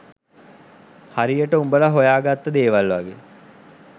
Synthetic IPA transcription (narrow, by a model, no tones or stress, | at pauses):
haɾijəʈəumbəlaɦojaːɡat̪ːəd̪eːʋalʋaɡe